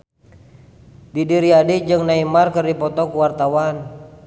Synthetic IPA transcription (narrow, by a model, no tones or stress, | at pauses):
didiɾiadid͡ʒɨŋnaimarkɨrdipɔt̪ɔkuwart̪awan